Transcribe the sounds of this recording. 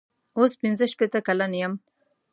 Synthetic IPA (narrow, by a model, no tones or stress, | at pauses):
ospɪnzəʃpet̪əkalanjəm